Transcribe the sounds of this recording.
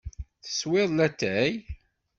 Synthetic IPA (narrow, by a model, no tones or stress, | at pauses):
θə̥swɪðˤlæt̪ːæj